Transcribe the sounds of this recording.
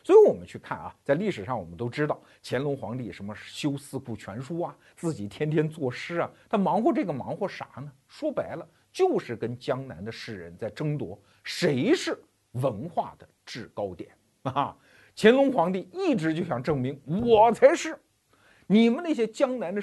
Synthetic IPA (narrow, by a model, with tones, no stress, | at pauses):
swɔ˧˥i˧˥wɔ˨˩mə̰˦nt͡ɕʰy˥˧kʰa̰˥˩nɐ̰˨˩t͡sa˥˧ɪli˥˩ʂɻ̩˨˩ʂɑ˥˩ŋwɔ˨˩mə˦nt̪o˥ʊʈ͡ʂɻ̩˥t̪ɑ˥˩ʊt͡ɕʰjɛ˧˥nlʊ˧˥ŋxwɑ̰˧˥ŋt̪i˥˩ʂə˧˥mə˧ʂ̩˥˩ɕjo˥ʊsɹ̩˥˧ku˥˩t͡ɕʰɥɛ̰˧˥nʂu˥ɐ˨ | t͡sɹ̩˥˩t͡ɕi˨˩t̪ʰjɛ˥nt̪ʰjɛ˥nt͡swɔ˥˩ʂɻ̩˥ɐ˨t̪ʰa˥˩nmɑ˧˥ŋxwɔ˥˧ʈ͡ʂɤ˥˩ɡə˩mɑ̰˧˥ŋxwɔ˥˩ʂa̰˨˩˦nə˧ʂwɔ˥pa˧˥ɪlə˧ | t͡ɕjo˥˧ʊʂɻ̩˥˩kə˥nt͡ɕjɑ˥ŋna̰˧˥nd̪ə˧ʂɻ̩˥˩ɻə̰˧˥nt͡sa˥˩ɪʈ͡ʂɤ˥ŋt̪wɔ˧˥ | ʂe˧˥ɪʂɻ̩˥˩ | wə˧˥nxwa̰˥˩d̪̥ə˩ʈ͡ʂɻ̩˥˩kɑ˥ʊt̪jɛ̰˨˩˦n˧ | t͡ɕʰjɛ˧˥nlʊ˧˥ŋxwɑ˧˥ŋt̪i˥˧i˥˩ʈ͡ʂɻ̩˧˥t͡ɕjo˥˧ʊɕjɑ˨˩ŋʈ͡ʂɤ˥˩ŋmi˧˥ŋwwɔ˨˩t͡sʰa˧˥ɪʂɻ̩˥˩ | ni˨˩mə˦na˥˩ɕjɛ˥t͡ɕjɑ˥ŋna˧˥nd̪ə˧